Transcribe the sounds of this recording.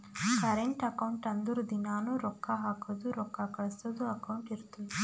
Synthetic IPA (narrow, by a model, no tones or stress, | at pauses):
pɐɾeɳʈɐkɐwuɳʈɐnd̪uɾud̪inaːnuɾɔkːaːɦaːkɐd̪uɾɔkːaːkɐɭɐst̪ɐd̪uɐkɐwuɳʈiɾut̪uu